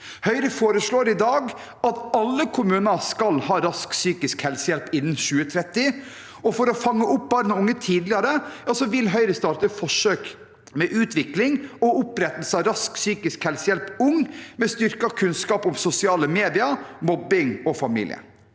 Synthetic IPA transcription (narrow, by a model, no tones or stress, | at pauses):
hœʏɾəfoːɾəʂɭoːɾɪd̪ɑːɡ | ɑt̪ɑlːəkʰʊmʉːnɑskɑlhɑːɾɑsksyːkɪskhɛlsəjɛlpɪnːənʃʉːət̪ʰɾɛt̪ːɪ | ɔfɔɾɔfɑŋːəʔʊp̚bɑːɾnəʊŋːət̪ʰiːd̪lɪɑɾəjɑːsɔʋɪlɦœʏɾəst̪ɑːɾʈəfɔʂøːk | mɛʔʉːt̪ʋɪklɪŋɔʊpɾɛt̪ːəl̩səɑɾɑsksyːkɪskhɛlsəjɛlpʊŋmɛst̪ʏɾkɑkʰʉnskɑːpʊmsʊsɪɑːləmeːd̪ɪɑmɔbɪŋɔfɑmḭːlɪ̰ə̰